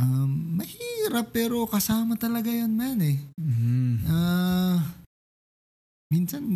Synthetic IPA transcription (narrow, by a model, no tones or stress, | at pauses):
ʔamːɐhiːɾɐpːɛːɾo̞kɐsaːmɐt̪ɐlɐɡajanmanɛ | ʔa | minsɐn